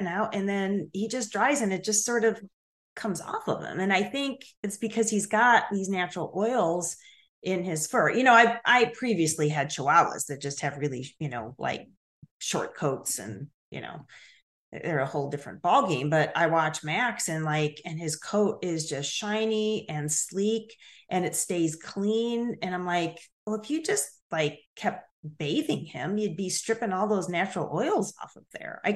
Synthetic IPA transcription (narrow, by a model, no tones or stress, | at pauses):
naʊɾɨ̃nðɨ̃nhid͡ʒʌs̬dɹaɪzɨ̃nɨt̚d̥ʒ̥ʌstsɔɹɾʌv̥ | kʰʌ̃mzɔ̰fʌ̰vðə̰̃mɨ̃naɪθɪ̃ŋkɨtsb̥ɨkʰʌz̥izɡɑt̪̚ðiznæt͡ʃɹl̩ˠʔɔɪl̩ˠz | ʔɪ̃nɪz̥fɜ˞jʔɨñoʊaɪʔaɪpʰɹ̥iviɨsliɨd̚ʃʰoʊɑlˠə̰zðɨt̚d̥ʒ̥ʌst̚hɨvɹɪlˠijɨnoʊla̰ɪk̚ | ʃɔ̰ɹt̚kʰoʊtsɨ̰̃n | jɨ̰no̰ʊ̰ | ðə˞əhoʊlˠdɪfɹɨ̰̃nb̥ɔlˠɡẽɪ̃mbʌɾa̰ɪwɑt͡ʃmæksɨ̃nlaɪkɨ̃nɪz̥kʰoʊɾɪzd͡ʒʌstʃãɪ̃niʔɨ̃nslikʔɨ̃nɨtsteɪz̥kʰl̥ĩnɨ̃ñãɪ̃mlaɪkwɛləfjɨd͡ʒʌst̚ | laɪkʰːɛp̚t̚b̥eɪðɪ̃ŋɪ̃mjɨd̚bistɹ̥ɪpɪ̃ŋɔlˠðoʊznæt͡ʃɹl̩ˠʔɔɪl̩ˠzɔ̰fʌ̰vðə̰˞a̰ɪ